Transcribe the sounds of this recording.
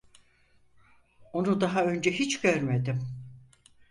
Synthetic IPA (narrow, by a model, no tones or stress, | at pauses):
o̞nud̪aɦaø̞nd͡ʒɛɦit͡ʃɟøɾmed̪im